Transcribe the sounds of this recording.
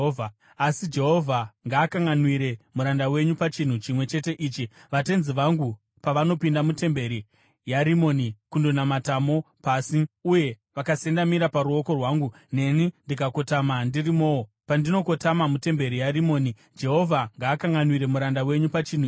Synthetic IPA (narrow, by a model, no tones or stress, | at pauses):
a | asid͡ʒe̞ɦo̞vʱaŋɡaːkaŋɡanwiɾe̞muɾandawe̞ɲupat͡ʃin̤ut͡ʃimwe̞t͡ʃe̞te̞ʔiːt͡ʃiʋate̞nziʋaŋɡu | paʋano̞pindamute̞mbe̞ɾi | jaɾimo̞ːnikundo̞namatamo̞pasiuje̞ | ʋakase̞ndamiɾapaɾuo̞ko̞rwaːŋɡu | ne̞nindikako̞tamandirimo̞ːwo | pandino̞ko̞tamamute̞mbe̞ɾijarimo̞ːni | d͡ʒe̞ɦo̞vʱaŋɡaːkaŋɡanwiɾe̞muɾandawe̞ɲupat͡ʃin̤u